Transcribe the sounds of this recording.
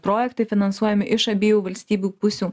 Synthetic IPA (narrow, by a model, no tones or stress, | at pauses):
pɾoːjɛkt̪ɐɪfʲɪnɐnsuɔjɛmʲɪʔɪʃɐbʲiːjuːʋɐlʲsʲt̪ʲiːbʲuːpʊsʲuː